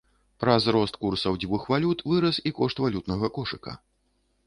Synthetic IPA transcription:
pɾɐzɾɔst̪kursɐwd͡zʲvɨxvalʲut̪vɨɾɐsikɔʂt̪valʲut̪nɐɣɐkɔʂɨkɐ̰

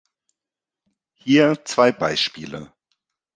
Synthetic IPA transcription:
hiːɐt͡sv̥aɪbaɪʃpiːlə̰

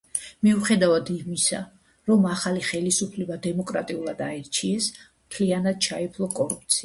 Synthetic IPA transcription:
miuχɛd̪avad̪imisa̰ | ɾɔmaχaliχɛlisupʰlɛbad̪ɛmɔkʼɾa̰t̪ʼiulˠad̪aɛɾt͡ʃʰiɛsmt̪ʰlianad̪̥̚t͡ʃʰaɛpʰlˠɔkʼɔɾup̚ʰt̪sʰia

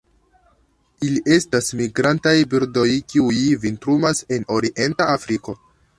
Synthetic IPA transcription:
iliʔe̞stasmiɡɾantajbiɾdo̞jkiujvintɾumase̞no̞ɾiʔe̞ntaːfɾiko̞

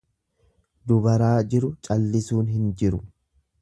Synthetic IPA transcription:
d̪ʊbɐɾaːd͡ʒɪɾʊt͡ʃʼɐlːɪsuːnɦɪnd͡ʒɪɾʊ

